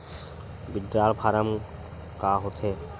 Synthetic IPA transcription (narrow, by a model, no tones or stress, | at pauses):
biɖːaːlpʰaɾam | kaɦot̪ʰe